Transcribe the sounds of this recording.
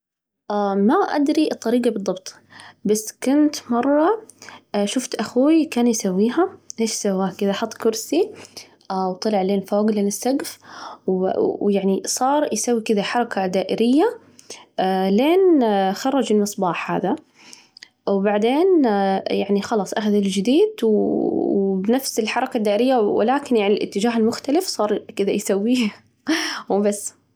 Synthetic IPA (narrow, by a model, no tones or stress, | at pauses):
ʔamaʔa̰d̪ɾiʔɨt̪ˤːɑɾiːɡɑbɨðˤːɑbt̪ˤ | basːkʊnt̪mɑrˤːɑ | ʃʊft̪ʔaxuːikaːnjsawːiːɦaʔeːʃsawːaːkʔɪðaħɑt̪ˤːkʊɾsi | wt̪ˤɑlɪʕleːnfoːɡleːnɪsːaɡfwjaʕnisˤɑːɾˤjsawːikɪðaħɑɾˤɑkad̪aːʔɪɾɪjːa | leːnxɑrˤːɑd͡ʒɪlmɨsˤbɑːħha̰ːða | wbaʕd̪eːnjaʕnixɑlɑːsˤʔaxaðɪld͡ʒɪd̪iːd̪w | bɪnafsɪlħɑɾˤɑkad̪ːaːʔɪɾɪjːawɪ̰laːkɪnjaʕnilʔɪ̰t̪ːɪd͡ʒaːɦɪlmʊxt̪alɪfsˤɑːɾˤkɪd̪ajsawːi | wbasː